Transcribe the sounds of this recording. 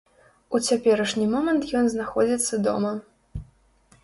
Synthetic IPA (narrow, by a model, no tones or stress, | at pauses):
ut͡sʲapʲɛɾɐʂnʲimɔmɐnt̪jɔnznaxɔd͡zʲit̪sːɐd̪ɔ̰mɐ